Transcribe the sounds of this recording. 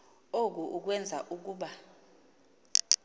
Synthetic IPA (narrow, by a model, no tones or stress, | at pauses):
ok̬uʔuk̬wɛnd͡zʱa̰ʔuk̬uːɓa